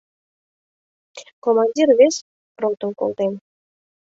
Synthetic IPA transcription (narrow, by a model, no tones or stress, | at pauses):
komɑnʲdʲirvʲesʲ | rot̪əŋko̰lˠt̪en